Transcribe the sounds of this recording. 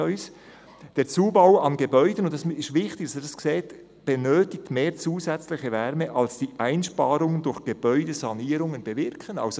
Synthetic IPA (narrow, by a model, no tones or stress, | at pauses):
œʏs | d̥eːɾt͡suːbaʊɑnɡebœʏdənʊntːɑsɪʃtvɪχtɪɡ̥ɑsd̥ɑskseːt | b̥enøːtɪk̚tmeːɾt͡suːzɛt͡slɪçəvɛɾməʔɑlsd̥iːʔæɪnʃpɑːɾʊŋəndʊɾxɡ̥eb̥œʏdəzɑniːɾʊŋənbevɪɾkʰənɑ̰ʊso